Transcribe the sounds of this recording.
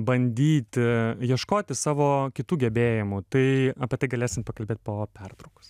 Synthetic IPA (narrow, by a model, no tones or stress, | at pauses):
bɐnʲd̪ʲiːt̪ʲjiɛʃkoːt̪ʲɪsɑːʋoːkʲɪt̪uːɡʲɛbʲeːjɪmʊt̪ɐɪɐːpʲiɛt̪ɐɪɡɐlʲeːsʲɪnt̪̚pɐkɐlʲbʲeːt̪̚ʲpoːpʲɛrt̪ɾɐʊko̥s